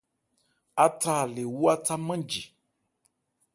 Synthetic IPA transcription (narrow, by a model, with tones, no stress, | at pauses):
a˦ta˦˨le˨wu˦a˦ta˦mə̃˦d͡ʒi˨